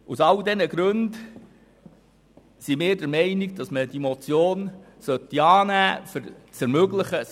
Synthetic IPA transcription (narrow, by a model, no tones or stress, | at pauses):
usɑld̪ɛnəɡɾʉnd | simɪːɾdəɾmɛɪniɡ̚d̥ɑsməd̥imɔt͡sjoːn | sœt̪ːiɑːnæːfəɾt͡sɛɾmøɡləχə